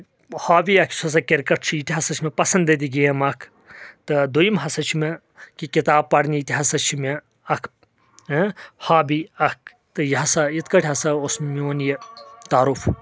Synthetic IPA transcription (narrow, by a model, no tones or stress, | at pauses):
haːbiɐkʰsʰɐs̬ɐkiɾkɐʈʰt͡ʃʰiit̪ʲiɦɐsɐt͡ʃʰmepɐsɐnd̪et̪iɡejɐmɐkʰ | t̪ɨd̪ujimɦɐsɐt͡ʃʰime | kikit̪aːb̚pːɐɽniit̪ʲiɦɐsɐt͡ʃʰime | ɐkʰ | haːbiɐk̚ʰ | t̪ɨjɦɐsɐit̪kɐʈʰʲɦɐsɐosmioːnjet̪aːɾuf